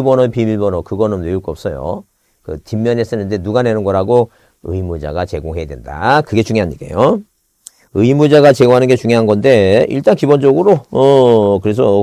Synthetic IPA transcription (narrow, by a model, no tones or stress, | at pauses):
bʌnʌpimiɭbʌnʌkɯɡʌnɯnːeuɭk͈oʌp̚s͈ʌjo̰ | kɯtimːjʌnes͈ɯnɯnde̞nuɡane̞nɯnɡʌɾɦaɡo | ɯ̰imud͡ʑa̰ɡat͡ɕe̞ɡoŋɦe̞jadwenda̰kɯɡe̞t͡ɕuŋjoɦaɲikḛjo | ɯimud͡ʑaɡat͡ɕe̞ɡoŋɦanɯnɡet͡ɕuŋjoɦanɡʌnde̞ḭɭt͈ankibond͡ʑʌɡɯɾoʌkɯɾe̞sʰʌ